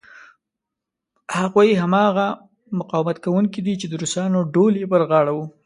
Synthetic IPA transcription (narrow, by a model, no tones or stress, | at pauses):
haɣujɦamɑɣa | mʊqɑwmat̪kawuŋkid̪it͡ʃed̪əɾusɑnoɖoljepəɾɣɑɽawu